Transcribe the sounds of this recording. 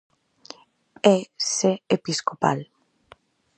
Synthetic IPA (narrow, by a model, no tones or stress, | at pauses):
eseepiskopa̰l